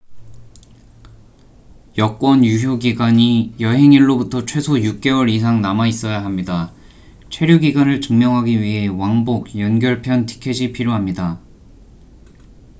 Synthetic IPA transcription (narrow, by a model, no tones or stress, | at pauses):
jʌk͈wʌnjuɦjoɡiɡwaɲijʌɦe̞ŋiɭːobutʰʌt͡ɕʰwe̞sʰojuk̚k͈e̞wʌɾis̬ʰaŋnamais͈ʌjaɦamɲida | t͡ɕʰwe̞ɾjuɡiɡwanɯɭt͡ɕɯŋmjʌŋɦaɡiɥiɦe̞waŋboɡ̚jʌnɡjʌɭpʰjʌntʰi̥kʰe̞d͡ʑipʰiɾjoɦamɲida